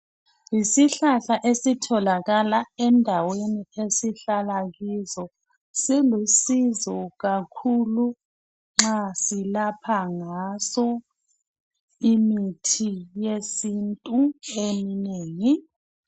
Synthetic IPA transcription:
isiɬaɬaʔesitʰɔlaɣalaɛndʱaweniesiɬalaɣizɔ | silusizɔɣakʰulu | ŋ͡ǁasilapʰaŋasɔ | imitʰijesintʼuemineːŋi

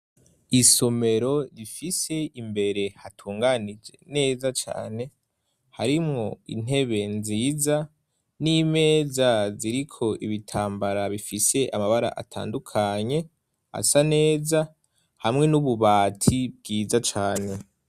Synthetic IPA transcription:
iso̞me̞ɾo̞ɾifise̞imbe̞ɾe̞hatʰuːŋɡanid͡ʒe̞̰ne̞ːzat͡ʃa̰ːne̞ | haɾimŋo̞ḭn̥e̞βe̞nziːza | nime̞ːzaziɾikʰo̞ʔiβitʰaːmbaɾaβifise̞ʔamaβaɾa̰ʔa̰tʰa̰ːndukʰaɲe̞ | a̰sane̞ːza | hamŋe̞nuβuβaːtʰib̚ɡiːzat͡ʃaːne̞

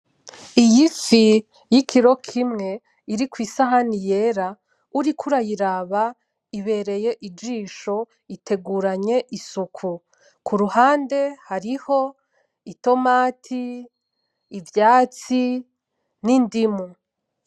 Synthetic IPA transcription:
ijifi | jikʰiɾo̞kʰimŋe̞ | iɾikwiːsaɦanije̞ɾa | uɾikʰuɾajiɾaβa | iβe̞ɾe̞je̞ʔid͡ʒiːʃo̞ | ite̞ɡuːɾaɲe̞ʔisukʰu | kʰuɾuhaːnde̞haɾiho̞ | ito̞maːtʰiː | vjaːt͡si | nindimu

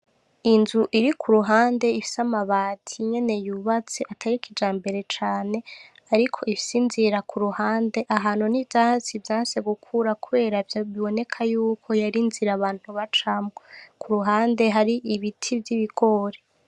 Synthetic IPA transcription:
inzuʔiɾikʰuɾuɦaːnde̞ifi̥samaβaːtʰiɲe̞ne̞juβat͡seʔatʰaɾikʰid͡ʒaːmbe̞ɾe̞t͡ʃaːne̞ | aɾikʰo̞ifisiːnziɾakʰuɾuhaːnde̞ʔaɦaːnunivjaːsivjaːnse̞ɡukʰuɾakuβe̞ːɾavjaβiβo̞ne̞kʰajuːkʰo̞jaɾinziɾaβaːn̥huβat͡ʃamŋokʰuɾuɦaːnde̞ɦaɾiʔiβitʰivjiβiɡo̞ːɾe

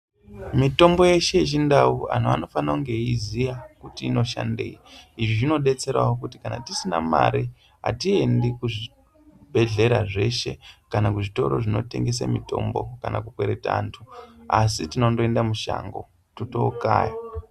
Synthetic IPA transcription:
mito̞mbo̞je̞ʃe̞it͡ʃ̬indaua̰n̤ua̰no̞fanauŋɡe̞izijakutiːno̞ʃa̰nde̞̰iiʐiʐino̞ɗe̞t͡se̞ɾa̰ok̬uti̥kana̰tisinama̰ɾi | ɦa̰tie̞ndikuʐi | bʱe̞ɮe̞ɾaʐe̞ʃe̞kanakuʐito̞ɾo̞ʐino̞̰te̞ŋɡes̬a̰mito̞mbokanakukweɾe̞ta̰ːntʰuasitino̞ndoendamuʃa̰ŋɡo̞̰ | tuto̰ka̰ːja

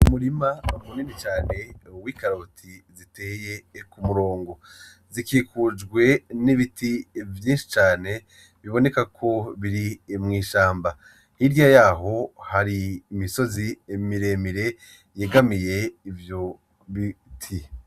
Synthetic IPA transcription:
umuɾimamuninit͡ʃaːne̞wiːkaɾotʰizite̞ːje̞kumuɾo̞ːŋɡo̞ | zikiːkʰud͡ʒɡwe̞niβitʰivjĩːnʃi̥t͡ʃaːne̞ | βiβo̞ne̞kakʰo̞βiɾimŋiːʃaːmba | hiɾjajaːɦo̞haɾiːmiso̞zimiɾe̞miɾe̞ | jeɡamije̞ivjo | βitʰi

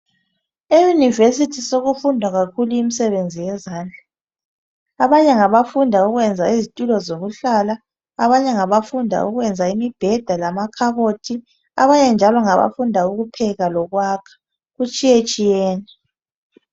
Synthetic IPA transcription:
ejunivesitʰisoɣufundʱwaɣakʰuluimisɛβend͡zʱijɛzaːnd͡ɮʱa | aβaɲɛŋaβafundʱauɣwɛnd͡zʱaizitʼulɔzoɣuɬalaː | βaɲɛŋaβafundʱa̰ṵɣwɛnd͡zʱaimib̥ʱɛd̥ʱalamakʰaɣotʰi | a̰βaɲɛnd͡ʒʱalɔŋaβa̰fundʱauɣupʰɛɣalɔɣwaːkʰḁ | ɣut͡ʃʼijet͡ʃʼijɛːnɛ

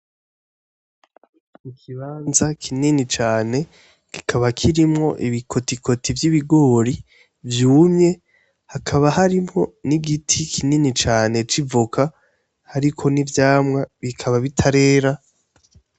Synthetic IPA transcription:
ikʰiβaːnzakʰininit͡ʃaːne̞ | ki̥kʰaβakʰiɾimŋo̞̰ʔiβikʰo̞tikʰo̞tivjiβiɡo̞ːɾi | vjuːmɲe̞ | hakʰaβahaɾimŋo̞niɡitʰikʰininit͡ʃaːne̞t͡ʃivukʰa | haɾikʰo̞nivjaːmŋaβikʰaβaβitʰaɾe̞ːɾa

